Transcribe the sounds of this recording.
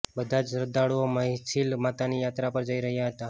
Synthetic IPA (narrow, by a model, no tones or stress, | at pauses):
bəd̪ʱad͡ʒɾəd̪aɽuoməɦsilmat̪anijat̪ɾapəɾd͡ʒəiɾəɦjaɦət̪a